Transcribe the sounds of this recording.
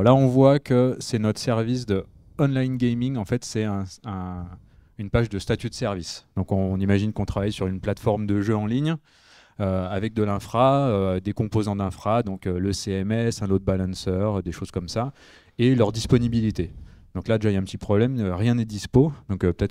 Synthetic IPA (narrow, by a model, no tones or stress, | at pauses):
laɔ̃vwakəsɛnɔt̪χsɛʁvis̬d̪ə | ɔnlajnɡʲɛjmiŋɑ̃fɛt̪sɛɛ̃ɛ̃ | ynpaʒd̪əst̪at̪yd̪əsɛʁvisd̪̥ɔ̃kɔ̃nimaʒinkɔ̃t̪χavajsyʁynplat̪fɔʁmd̪əʒøɑ̃liɲ | øavɛk̚d̪əlɛ̃fχaød̪ekɔ̃pozɑ̃d̪ɛ̃fχad̪ɔ̃køləseɛmɛsɛ̃lot̪̚balɑ̃sœʁød̪eʃoz̥kɔmsa | elœʁd̪ispɔnibilit̪ed̪̥ɔ̃klad̪eʒaijaɛ̃pət̪ipχɔblɛmøʁjɛ̃nɛd̪ispod̪ɔ̃køpə̥t̪ɛt̪